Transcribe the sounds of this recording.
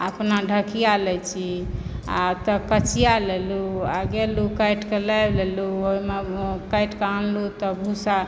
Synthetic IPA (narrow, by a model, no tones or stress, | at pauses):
əpnaɖʱəkijalɛt͡ʃʰia̰t̪ɔkət͡ʃʰijaleluaɡelukəjʈkelɛjbleluoimekəjʈkanlut̪ɔbʱusa